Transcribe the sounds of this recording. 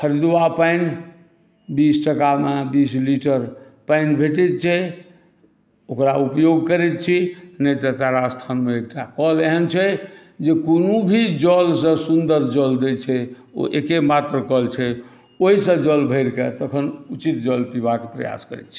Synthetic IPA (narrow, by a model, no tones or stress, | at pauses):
kʰəɾid̪ʋapajn | bisʈəkamebisliʈəɾ | paɪnbʱeʈɛt̪̚t͡ʃʰɛ | okɾaupjoɡkəɾɛt̪̚t͡ʃʰinəjt̪ət̪aɾast̪ʰanmeek̚ʈakəleɦənt͡ʃʰɛ | d͡ʒekonubʱid͡ʒəlsə̃sund̪əɾd͡ʒəld̪et͡ʃʰɛ | o̰ʔekemat̪ɾəkəlt͡ʃʰɛ | oɦisə̃d͡ʒəlbʱəjɾket̪əkʰənut͡ʃit̪d͡ʒəlpibakepɾə̰ja̰skəɾɛ̰t̪t͡ʃʰi̥